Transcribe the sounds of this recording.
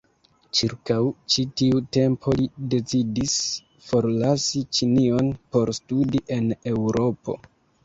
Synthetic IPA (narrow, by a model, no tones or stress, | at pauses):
t͡ʃiɾkawt͡ʃitiute̞mpʰo̞lide̞t͡sidis | fo̞ɾlasit͡ʃinio̞npo̞ɾstudiʔe̞ne̞wɾʔo̞po̞̰